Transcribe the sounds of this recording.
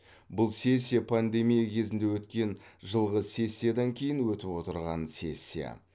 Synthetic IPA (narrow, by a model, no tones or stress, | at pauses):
bʊlˠse̞sʲːijapʰand̪e̞mijakʲʰe̞zɪnd̪e̞wɵt̪kʲe̞nʒəlˠʁəse̞sʲːijad̪ɑŋkʲʰe̞jɪnwɵt̪ɪpwo̞t̪əɾʁɑnse̞sʲːija̰